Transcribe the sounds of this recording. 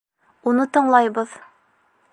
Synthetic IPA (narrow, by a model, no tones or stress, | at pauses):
unɤt̪ɤ̆ɴlˠɑjbɤð